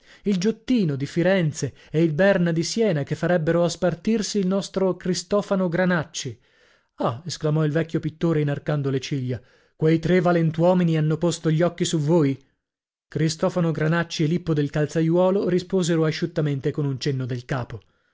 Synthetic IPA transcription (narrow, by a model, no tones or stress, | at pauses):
ild͡ʒot̪ːiːnod̪ifiɾɛnt̪se | ɛilbɛrnad̪isjɛːnakefːaɾɛbːeɾoaspart̪irsiːlnɔst̪ɾokɾist̪ɔːfanoɡɾanat͡ʃːi | aesklamɔilvɛkʲːjopit̪ːoːɾenarkand̪olet͡ʃiʎːa | kwejt̪ɾevalent̪wɔːminianːopost̪oʎːɔkːisuvoːj | kɾist̪ɔfanoɡɾanat͡ʃːielipːod̪elkalt̪sajwɔːloɾispoːzeɾoaʃːut̪ːament̪ekonunt͡ʃenːod̪elkaːpo